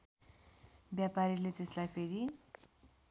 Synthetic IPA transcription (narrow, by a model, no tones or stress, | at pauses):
bjapaɾilet̪eslajpʰeɾi